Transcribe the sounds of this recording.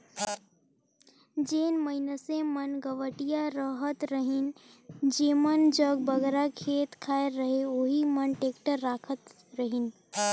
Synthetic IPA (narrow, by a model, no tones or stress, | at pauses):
d͡ʒeːnməɪnəsẽmənɡəʋəʈijaɾəɦət̪ɾəɦind͡ʒemənd͡ʒəɡbəɡɾakʰeːt̪kʰaːeɾəɦeoɦimənʈeːkʈəɾːaːkʰət̪ | ɾəɦin